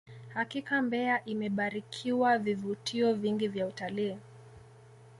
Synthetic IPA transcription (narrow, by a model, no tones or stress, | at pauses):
hakikambɛaʔimɛɓaɾikʰiwavivutiɔviŋɡivjautaliː